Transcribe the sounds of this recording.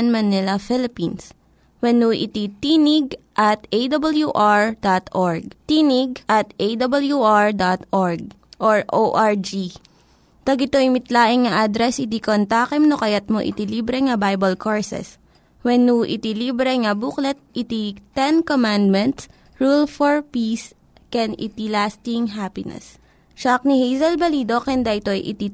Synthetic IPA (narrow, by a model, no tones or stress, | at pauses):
nmɐnɪlɐfɪlɪpins | wɛnuʔɪ̰t̪it̪iːnɪɡ̚ʔɐt̪ʔejd̪ɐbɐljuʔaɹd̪at̪ʔoɹɡ̚t̪iːnɪɡ̚ʔɐt̪ʔejd̪ɐbɐljuʔɹd̪at̪ʔoɹɡ̚ʔoɹʔoʔaɹd͡ʒi | t̪ɐɡɪt̪oɪmɪt̪laːʔɪŋŋɐʔad̪ɾɛsʔɪt̪ikont̪aːkɛmnokɐjɐt̪̚moʔɪ̰t̪iliːbɾɛŋɐbajbɐlkoɹsɛ̰s | wɛnːuʔḭt̪iliːbɾɛŋɐbuklɛt̪̚ʔit̪it̪ɛnkomand̪̚mɛ̃nt̪s | ɹulfoɹpis | kɛnɪ̰t̪ilaːst̪ɪŋɦapɪnɛ̰s | ʃak̚nihejzɐlbɐliːd̪o̞kɛnd̪ɐʔɪt̪ojʔɪ̰t̪i